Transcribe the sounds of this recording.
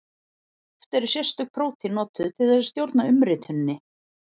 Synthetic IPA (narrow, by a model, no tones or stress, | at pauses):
ɛft̪ɛɾsjɛ̥st̪ʏk̚pʰɾoːwt̪ʰinɔːt̪ʏt̪ʰɪlθɛs̬ʏ̥st̪jowɾt̪naʏmɾɪːt̪ʰʏnnːɪ